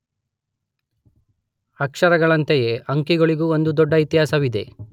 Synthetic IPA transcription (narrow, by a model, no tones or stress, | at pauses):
ɐkʂɐɾɐɡɐɭɐnt̪ejeʔɐŋkiɡoɭiɡuːond̪ud̪ɔɖːɐit̪jɦaːsɐʋid̪e̞̰